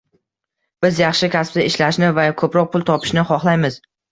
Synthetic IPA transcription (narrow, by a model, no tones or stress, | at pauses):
b̥ɪzjɑχʃɪkʲʰaspt̪aɪʃlaʃnɪvakʰɵpɾɒq̚pʰʊlˠt̪ʰɒpʰɪ̥ʃnɪχɒχlˠajmɪz